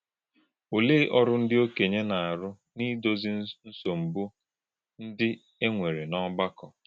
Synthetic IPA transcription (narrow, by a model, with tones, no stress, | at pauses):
o˨le˦ʔɔ˦ɾʊ˦n̩˦dɪ˦o˦ke˨ɲe˦na˨a˨ɾʊ˦ | ni˦do˦zi˦n̩˦so˨m̩˨bu˦ | n̩˦dɪ˦ | e˦ŋʷe˨ɾe˨nɔ˦ɡ͡ba˦kɔ˨